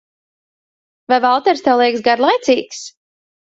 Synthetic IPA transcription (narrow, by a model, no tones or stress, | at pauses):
vajvalˠt̪ɛɾst̪ɛwlˠiɛksɡaɾlˠajt̪siːks